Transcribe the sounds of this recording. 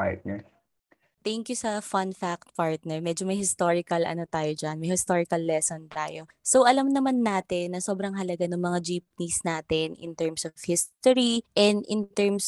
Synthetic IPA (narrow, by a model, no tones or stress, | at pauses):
ahɪ̰t̪̚nɛ | t̪ɛŋkjʊsɐfɐnfak̚t̪̚paɹt̪̚nɛɹmɛd͡ʒomɐjhɪst̪oɹɪkɐlʔɐ̰not̪aːjod͡ʒanmɐjhɪst̪oːɹɪkɐlːɛsont̪a̰ːjosowʔɐlɐmnɐmanːaːt̪ɛnːɐso̞ːbɾɐŋɦɐlɐɡanʊŋmɐŋad͡ʒiːp̚nisnaːt̪ɛnʔɪ̰nt̪ɛɹmsofhɪst̪oɹiʔɛnd̪ʔɪnt̪ɛɹms